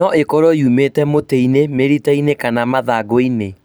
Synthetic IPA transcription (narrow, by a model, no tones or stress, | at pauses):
ɔʔekɔɾojumetɛmoteinemeɾitainekanamaðaɡoine